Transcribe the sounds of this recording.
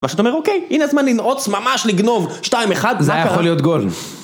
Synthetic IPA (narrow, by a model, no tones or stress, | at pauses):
maʃat̪ome̞ʁoke̞jʔineazmanlinʔot͡smamaʃliɡno̞vʃtaimeχad̪zmakjaaolːijot̪ɡol